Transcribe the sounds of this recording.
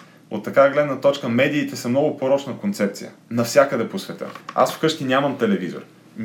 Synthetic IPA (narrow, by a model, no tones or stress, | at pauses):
o̰t̪ːɐkaɛɡlɛd̪nət̪ɔt͡ʃkəmɛd̪iːt̪ɛsɐmnɔɡʊpoɾɔt͡ʃnəkont̪sɛp̚t̪sḭjə̰nɐfsʲjakəd̪ɛposvɛt̪ɤ̰a̰sfkɤʃk̪ʲinʲaməmt̪ɛlɛvizo̰ɾ